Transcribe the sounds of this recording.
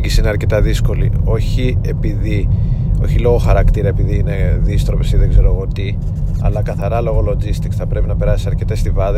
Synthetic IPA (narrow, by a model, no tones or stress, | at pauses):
ɟisiineɐɾce̞t̪ɐðisko̞lḭo̞çiepiðio̞̰çilo̞ɣo̞xɐɾɐkt̪iɾɐe̞piðiine̞ðist̪ɾo̞pesiðeɡze̞ɾoɐɣo̞t̪i | ɐ̰lɐkɐθɐɾɐlo̞ɣo̞lo̞d͡zist̪ikθɐpɾe̞pinɐpe̞ɾɐsisɐɾce̞t̪est̪ivɐð